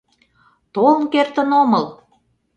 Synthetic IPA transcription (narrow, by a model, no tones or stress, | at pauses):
t̪olənkert̪ə̆nomɤl